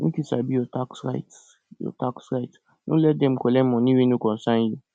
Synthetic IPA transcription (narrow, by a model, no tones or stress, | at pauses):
nĩkisa̰bijɔtaksɹa̰jt | jɔ̰taksɹait | no̰lɛt̚dɛ̃mkɔlɛ̃mɔ̃nĩwinikɔ̃nsãnje